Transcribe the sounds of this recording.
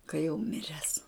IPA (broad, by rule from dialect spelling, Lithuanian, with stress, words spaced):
kɐ jɛʊ ˈmʲɪrʲɛs